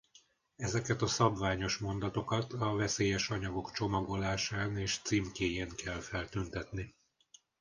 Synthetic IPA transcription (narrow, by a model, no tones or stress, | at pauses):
ɛzɛkɛt̪ɒsɒbvaːɲo̞ʃmo̞nd̪ɒt̪o̞kɒt̪ɒvɛseːjɛʃɒɲɒɡo̞kt͡ʃo̞mɒɡo̞laːʃaːneːʃt̪siːmkeːjeːŋkʰɛlfɛlt̪ynt̪ɛt̪ni